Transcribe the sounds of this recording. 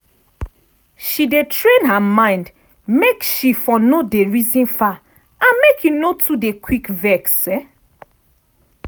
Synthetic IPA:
ʃidetʰɹẽnɦamãɪ̃nd | mekʃifɔnodeɹizĩnfa | ãnmekʰjunotʰudekʰwikvɛksɛ

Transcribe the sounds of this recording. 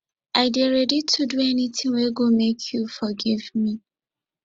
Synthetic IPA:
aɪdeɾɛditʰuduɛnitĩŋweɡomekʰjufɔɡivmi

